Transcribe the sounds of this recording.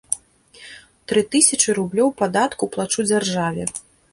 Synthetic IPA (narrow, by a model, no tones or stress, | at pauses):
t̪ɾɨt̪ɨsʲɐt͡ʂɨɾublʲɔwpad̪at̪kuplˠat͡ʂud͡zʲarʐavʲɛ